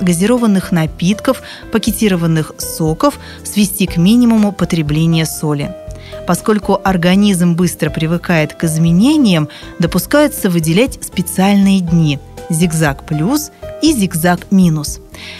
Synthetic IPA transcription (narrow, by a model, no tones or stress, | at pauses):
ɡəzʲɪɾo̞vənːɨxnɐpʲit̪kəf | pəkʲɪtʲiɾəvənːɨxso̞kəf | svʲɪsʲtʲikmʲinʲɪmʊmʊpət̪ɾʲɪblʲenʲɪjəso̞lʲɪ̰ | pɐsko̞lʲkʊʔɐrɡɐnʲizmbɨst̪ɾəpɾʲɪvɨkajɪt̪kɨzmʲɪnʲenʲɪjəm | d̪əpʊskajʊt̪səvɨdʲɪlʲætʲspʲɪt̪sɨalʲnɨjədʲnʲi | zʲɪɡzakplʲusizʲɪɡzakmʲinʊs